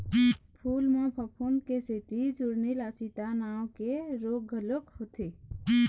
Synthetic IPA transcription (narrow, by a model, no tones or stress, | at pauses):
pʰuːlmãpʰəpʰund̪keset̪id͡ʒʊɾnilaːsit̪anaːwkeɾoːɡʱəlokhot̪ʰeː